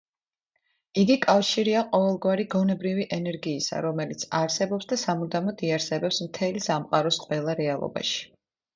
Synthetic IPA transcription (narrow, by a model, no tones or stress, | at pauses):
iɡikʼafʃiɾiaqʼɔvɛlˠɡwaɾiɡɔnɛbɾiviʔɛnɛɾɡiːsa̰ɾɔmɛlit̪sʰaɾsɛbɔpsd̪asamud̪amɔd̪iaɾsɛbɛpsmt̪ʰɛlisamqʼaɾɔsqʼwɛlˠaɾɛalˠɔ̰ba̰ʃi̥